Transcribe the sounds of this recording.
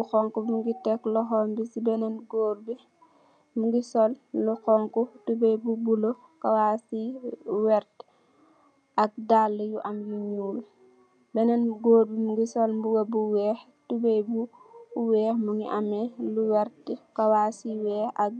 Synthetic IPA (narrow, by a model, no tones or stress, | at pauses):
buxɔŋkumuŋɡitɛklɔxɔmbisibɛnɐnɡoːɾbi | muɡisɔlluxɔŋkutubejbubulo | kawasiwɛɾt | ɐk̚dalːəjuʔɐmjuɲuːl | bɛnɐnɡoːɾbimuɡisɔlmbuɡɐbuwɛːh | tubɛjbu | wɛːhmuŋɡiʔamɛluwɛɾtkɐwaːsiwɛːɐk̚